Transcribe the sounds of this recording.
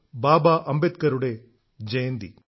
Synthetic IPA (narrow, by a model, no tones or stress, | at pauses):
baːbaːʔɐmbet̪̚kɐɾuɽe | d͡ʒɐjɐnd̪ḭ